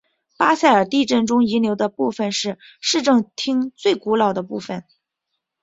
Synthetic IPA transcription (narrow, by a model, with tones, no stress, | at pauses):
pa˥sa˥˩ɪə˞˨˩t̪i˥˧ʈ͡ʂə˥˩nʈ͡ʂʊ˥ŋi˧˥ljo˧˥ʊd̪ə˧pu˥˩fə˧nʂɻ̩˥˧ | ʂɻ̩˥˧ʈ͡ʂɤ˥˧ŋt̪ʰi˥ŋt͡swe˥˩ɪku˧˥lɑ˨˩ʊd̪ə˦pu˥˩fə˨˩˦n